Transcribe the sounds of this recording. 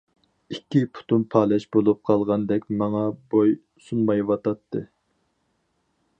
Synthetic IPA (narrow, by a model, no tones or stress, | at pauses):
ikʲʰːipʰu̥t̪unpʰɑːlɛʃbolˠup̚qʰɑlˠʁɑnd̪ɛkʲmɑŋɑboj | sunmɑjwɑt̪ɑt̪ʰːɨ